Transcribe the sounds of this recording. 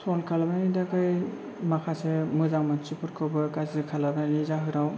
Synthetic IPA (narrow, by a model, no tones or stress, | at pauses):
sʰɔlkʰalabanidakaj | makʰasemɯzaŋmant͡ʃipʰɯɾkʰɯwbɯkazɯkʰalabnanizaɦɯɾaw